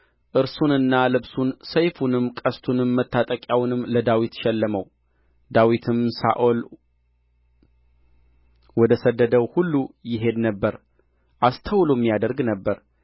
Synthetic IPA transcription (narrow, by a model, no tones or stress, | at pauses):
ʔɨɾsunɨnːalɨβsunsəjfunɨmkʼəst̪ʰunɨmːət̪ʰːat̪ʼəkʼjawnɨmːləd̪awit̪ʃɛlːəməw | d̪awit̪ʰɨmsa̰ʔol | wɔd̪əsəd̪ːəd̪əwhulːujɪɦe̞d̪nəbːəɾ | ʔast̪ʰəwlomːijad̪əɾɡnəbːəɾ